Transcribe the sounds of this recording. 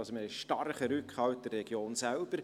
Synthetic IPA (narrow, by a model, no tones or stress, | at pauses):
lsɔməɛʃʃtɑrχəɾʉkhɑwt̚d̥ərːɛɡ̥joːnsælb̥əɾ